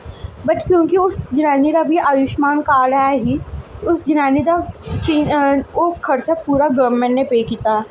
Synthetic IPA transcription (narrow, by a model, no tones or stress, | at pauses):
bɐʈkjõːkiʊsd͡ʒɪnaːniɾabʱiaːjʊʃmaːnkaːɾɐɦaɦiʊsd͡ʒɪnaːnid̪at͡ʃiokʰːɐɾt͡ʃapuːɾaɡɐmẽʈnẽpeːkit̪aː